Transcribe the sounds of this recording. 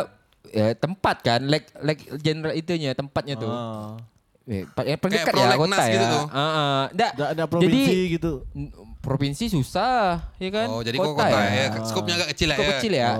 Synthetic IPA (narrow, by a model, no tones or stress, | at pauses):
jat̪əmpat̪̚kanlɛk̚lɛk̚d͡ʒenɾait̪uɲat̪əmpat̪̚ɲat̪u | a̰ppərndəkat̪jakotnaajɡitat̪uəʔəndaʔdadapɾd͡ʒadiiɡit̪upɾofinsisusahjakand͡ʒadikok̪aaskop̚ɲaɡaʔkət͡ʃilakokət͡ʃɪlja